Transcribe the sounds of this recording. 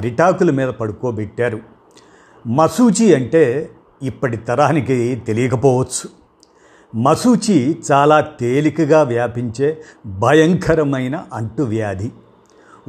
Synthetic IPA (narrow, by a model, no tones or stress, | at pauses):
ɐɾiʈaːkulumiːd̪ɐpɐɽukoːbɛʈːaːɾu | mɐsuːt͡ʃiɐɳʈe̞ː | ipːɐʈit̪ɐɾaːnikit̪e̞lijɐkɐpɔːʋɐt͡ʃːt͡sːu̥ | mɐsuːt͡ʃit͡ʃaːlaːt̪eːlikɐɡaːʋjaːpiɲt͡ʃe̞ːbʱɐjɐŋkʰɐɾɐmɐjnɐʔɐɳʈuʋjaːd̪ʱi